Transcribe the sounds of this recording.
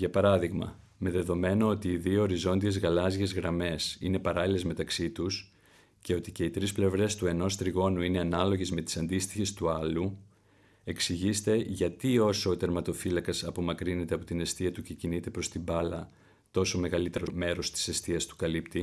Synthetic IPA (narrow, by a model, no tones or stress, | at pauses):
ʝɐpɐɾɐðiɣmɐ̰me̞ðe̞ðo̞me̞noot̪iːðio̞ːɾizo̞nd̪ie̞zɣɐlɐzʝe̞zɣɾɐme̞sḭne̞pɐɾɐlile̞zme̞t̪ɐksit̪us | ce̞o̞t̪ice̞it̪ɾisple̞vɾe̞st̪ue̞no̞st̪ɾiɣo̞nuine̞ɐnɐlo̞ʝe̞zme̞t̪i̥sɐnd̪ist̪i̥çe̞st̪uɐlu | e̞ksiʝist̪e̞ʝɐt̪io̞so̞ːt̪e̞ɾmɐt̪o̞filɐkɐsɐpo̞mɐkɾine̞t̪eɐpot̪ine̞st̪iɐt̪uce̞cinit̪e̞pɾo̞st̪imbɐlɐ | t̪o̞so̞me̞ɣɐlit̪e̞ɾo̞me̞ɾo̞st̪i̥se̞st̪iɐst̪u̥kɐlipt̪i